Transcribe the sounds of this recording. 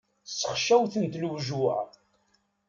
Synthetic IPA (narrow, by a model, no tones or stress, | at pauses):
sːə̥χʃæwθənt̪lwʒuæ̰